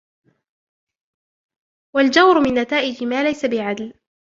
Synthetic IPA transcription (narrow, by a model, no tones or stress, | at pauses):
wald͡ʒawɾʊmɪnːat̪aːʔɪd͡ʒɪmaːlajsabɪʕad̪l